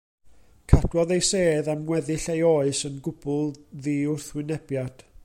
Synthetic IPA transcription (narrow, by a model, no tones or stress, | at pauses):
kʰad̥wɔðejseːðamŋwɛðɪɬejoːɨsənɡʊbʊlˠðiʊrθwɪnɛb̥jad̥